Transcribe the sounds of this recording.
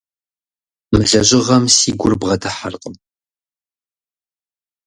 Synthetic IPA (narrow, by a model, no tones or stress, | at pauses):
mɨɮɐʑʼɪʁɐmsiːɡʷʊrbʁɐdʰɐħarqʼəm